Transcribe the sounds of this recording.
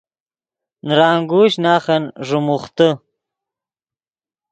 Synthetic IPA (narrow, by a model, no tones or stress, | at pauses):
nɾaːŋɡuɕnaːχɐnʐumuχt̪ə